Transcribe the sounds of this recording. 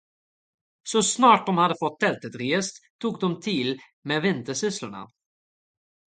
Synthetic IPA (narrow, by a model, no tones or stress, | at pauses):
sɔsnɑːʈ̚d̪ɔmhad̪əfɔt̪̚t̪ʰːɛlt̪ət̪ɾjɛst̪t̪ʰːuːk̚d̪ɔmt̪ʰil | meːvɪnt̪əʂʏsləɳa̰